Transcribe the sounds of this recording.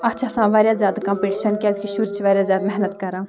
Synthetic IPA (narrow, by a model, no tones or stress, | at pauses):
ɐt͡ʃʰasãːʋaːɾʲjaːzjaːd̪kãːmpiʈiʃɐnkʲaːzkiʃuːɾt͡ʃʰiʋaːɾʲjaːzʲjaːd̪mɛɦnət̪kɐɾãː